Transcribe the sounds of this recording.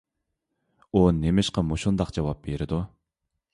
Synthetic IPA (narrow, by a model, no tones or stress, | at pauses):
unemɪʃqɑmuʃund̪ɑqd͡ʒɑwɑp̚b̥eɾɪd̪u